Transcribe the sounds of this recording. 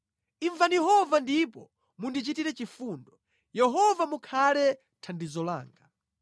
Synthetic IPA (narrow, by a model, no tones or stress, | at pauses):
iɱvanjɛɦɔvandipɔ | mundit͡ʃitiɾɛt͡ʃifuːndɔ | jɛɦɔvamukʰalɛ | tʰandizɔla̰ːŋɡa